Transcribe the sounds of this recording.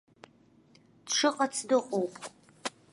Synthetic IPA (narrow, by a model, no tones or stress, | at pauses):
tʂɨqʼɐt͡sʰdɨqʼowpʰʼ